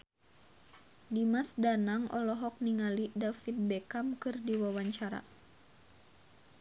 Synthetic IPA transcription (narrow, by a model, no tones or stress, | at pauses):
dimasdanaŋʔɔ̰lɔɦɔk̚niŋalidafit̪̚bɛkamkɨrdiwawaɲt͡ʃaɾa̰